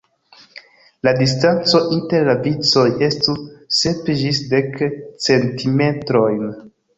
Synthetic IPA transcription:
ladis̬tant͡so̞ʔinte̞ɾlavit͡so̞je̞stuse̞pd͡ʒisde̞kt͡se̞ntʰime̞tɾo̞jn

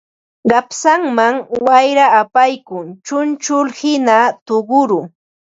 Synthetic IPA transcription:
ɢɑpsaŋmaŋwajɾaːpajkʊŋt͡ʃʊnt͡ʃʊlhɪnat̪oɢʊɾʊ

